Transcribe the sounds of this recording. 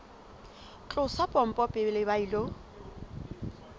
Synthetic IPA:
t͡ɬʼʊsapʼɔm̩pʼɔpʼɪlɪbailo

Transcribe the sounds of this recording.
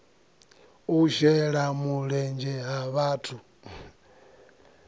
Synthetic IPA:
uʃɛɺamuɺɛnd͡ʒɛɦaβatʰu

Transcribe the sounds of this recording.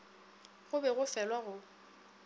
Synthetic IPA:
ɣʊbɛɣʊfɛlwaɣʊ

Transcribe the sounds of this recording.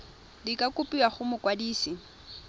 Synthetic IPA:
dikʼakʊpʼiwaχʊmʊkʼwadiːsi

